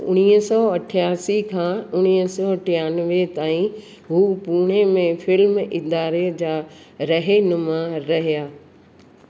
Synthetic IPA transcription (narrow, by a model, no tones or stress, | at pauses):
ʊ̰ɽ̃iːəsɔːɐʈʰjaːsikʰãːʊɽ̃iːəsɔɐʈʰijaːnʋet̪aːĩ | ɦuːpuːɽ̃emẽfɪlmɪd̪aːɾed͡ʑaː | ɾɐɦenʊmaɾɐɦijaː